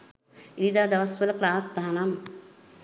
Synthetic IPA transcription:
iɾid̪aːd̪ɐʋɐsʋɐlɐklaːsd̪aɦnɐm

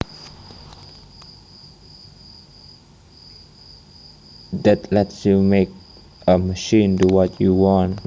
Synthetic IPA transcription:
dɛtlɛtsjumek̚ | əməʃĩntuwɔtʰjuwɔ̃n

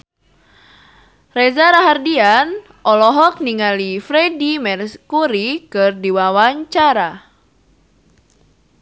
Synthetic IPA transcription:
rɛzaɾaɦardian | ʔɔlɔɦɔk̚niŋalifɾedimɛrskuɾikɨrdiwawaɲt͡ʃaɾa

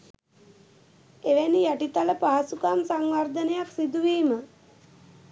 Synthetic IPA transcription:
eʋænijaʈit̪aləpaɦasukamsaŋʋaɾd̪ənəjaksid̪uʋiːmə

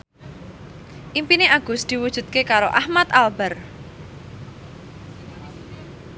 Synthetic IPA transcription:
ʔimpineʔaɡ̥ʊ̤sd̪̥i̤wud̥ʒ̥ṳt̪̚kekaɾoʔahmat̪albər

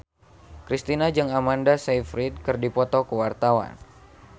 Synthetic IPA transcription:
kɾist̪inad͡ʒɨŋamandasejfɾit̪̚kɨrdipɔt̪ɔkəwart̪awa̰n

